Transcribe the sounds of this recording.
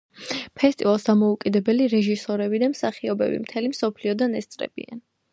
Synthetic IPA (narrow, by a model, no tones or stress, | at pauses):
pʰɛst̪ʼivalˠsd̪amɔukʼid̪ɛbɛliɾɛʒisɔɾɛbid̪amsaχiɔbɛ̰bḭmt̪ʰɛlimsɔpʰliɔd̪anɛst̪sʼɾɛ̰b̥ḭa̰n